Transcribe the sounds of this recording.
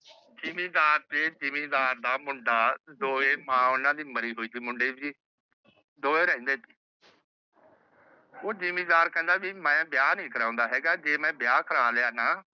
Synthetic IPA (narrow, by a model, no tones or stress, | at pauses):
d͡ʒiːmĩːd̪aːɾt̪eːd͡ʒimĩːd̪aːɾd̪aːmʊɳɖaːd̪oːeːmãːʊnãːd̪iːməɾiːɦoːiːt̪iːmʊɳɖeːiː | d̪oːeːɾɛ̃ĩːnd̪eːt̪iː | oːd͡ʒiːmĩːd̪aːɾkɛ̃ːnd̪aːʋiːmɛ̃ːbjaːnĩːkəɾãːʊ̃ːnd̪aːɦɛːɡaːd͡ʒeːmɛ̃ːbjaːkʰəɾaːljaːnaː